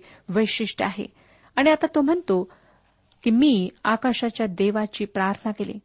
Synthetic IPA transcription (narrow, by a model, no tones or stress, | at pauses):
ʋəjʂiʂʈəaɦḛ | aɽ̃iat̪at̪om̤əɳt̪o | kimiːakaʂat͡ɕjad̪eʋat͡ɕiːpɾaɾt̪ʰənakelḭ